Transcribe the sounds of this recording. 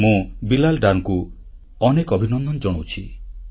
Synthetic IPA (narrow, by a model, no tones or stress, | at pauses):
mũbilalɖanku | ɔnekɔbʱinɔnd̪ɔnd͡ʒɔɽ̃owt͡ʃʰi